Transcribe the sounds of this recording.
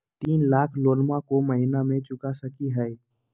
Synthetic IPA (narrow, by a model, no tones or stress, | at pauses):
t̪iːnlaːkʰloːlmakoməɦɪnamẽt͡ʃʊkasəkiɦɛː